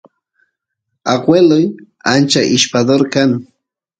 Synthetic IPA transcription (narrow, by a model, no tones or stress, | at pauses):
aɢwelʊj | ant͡ʃaʔɪʃpad̪oɾkaŋ